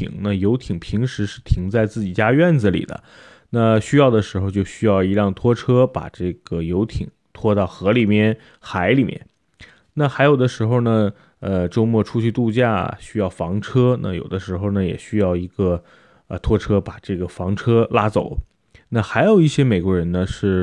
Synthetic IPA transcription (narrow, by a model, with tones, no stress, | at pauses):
ḭ˨˩ŋna˥˧˩jo˧˥ʊt̪ʰi˨˩ŋpʰi˧˥ŋʂɻ̩˧˥ʂɻ̩˥˩t̪ʰi˧˥ŋt͡sa˥˧ɪt͡sɹ̩˥˩t͡ɕi˨˩t͡ɕja˥ɥɛ˥˩nd͡z̩˨˩lḭ˨˩d̪ə̰˦ | na˥˩ɕy˥jɑ˥˩ʊd̪ə˩ʂɻ̩˧˥xo˧ʊt͡ɕjo˥˧ʊɕy˥jɑ˥˩ʊi˧˥ɻɑ˥˩ŋt̪ʰwɔ˥ʈ͡ʂʰɤ˥pa̰˨˩ʈ͡ʂɤ˥˩ɡ̥ə˩jo˧˥ʊt̪ʰi˨˩˦ŋt̪ʰwɔ˥t̪ɑ˥˩ʊxɤ˧˥li˨˩mjɛ˥˩n | xa˧˥ɪli˨˩mjɛ̰˥˩n | na˥˩xa˧˥ɪjo˨˩ʊd̪ə˦ʂɻ̩˧˥xo˥˧ʊnə˩ | ə˧ʈ͡ʂo˥ʊmwɔ˥˩ʈ͡ʂʰu˥t͡ɕʰy˥˧t̪u˥˧t͡ɕja̰˥˩ɕy˥jɑ˥˩ʊfɑ˧˥ŋʈ͡ʂʰɤ˥na̰˥˩jo̰˨˩ʊd̪ə˦ʂɻ̩˧˥xo˥˩ʊnə˩jɛ̰˨˩ɕy˥jɑ˥˩ʊi˧˥ɡə˧ | ə˧t̪ʰwɔ˥ʈ͡ʂʰɤ˥pa˨˩ʈ͡ʂɤ˥˩ɡə˩fɑ˧˥ŋʈ͡ʂʰɤ˥la˥t͡so̰˨˩˦ʊ | na˥˩xa˧˥ɪjo˨˩ʊi˥˩ɕjɛ˥me˨˩ɪkwɔ˧˥ɻə˧˥nnə˧ʂɻ̩˥˩